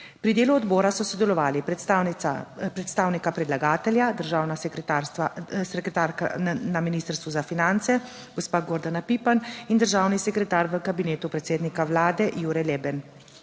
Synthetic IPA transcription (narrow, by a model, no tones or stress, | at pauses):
pɾid̪eːluɔd̪bɔːɾasɔsɔd̪ɛlɔʋaːli | pɾɛt̪st̪aːwnikapɾɛd̪laɡaːt̪ɛljad̪əɾʒaːwnaskt̪aɾsasɛkɾɛt̪aɾkanaminiːst̪əɾst̪ʋuzafinant̪sɛ | ɡɔspaːɡɔɾd̪anapiːpanind̪əɾʒaːwnisɛkɾɛt̪aːɾʋəkabineːt̪upɾɛt̪seːd̪nikawlaːd̪ɛʔjuːɾɛjlɛːbɛn